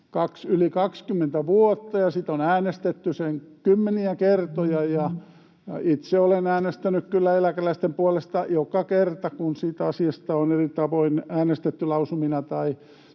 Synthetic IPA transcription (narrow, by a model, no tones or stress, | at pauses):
kɑksylikɑkskymːent̪æʋuot̪ːɑjɑsit̪onæːnest̪et̪ːyseŋkymːeniækert̪ojɑjɑ | it̪seolenæːnest̪ænykkylːæelækælæist̪empuolest̪ɑjokɑkert̪ɑkunsiːt̪ɑsiɑst̪ɑonerit̪ɑʋoinæːnest̪et̪ːylɑusuminɑt̪ɑi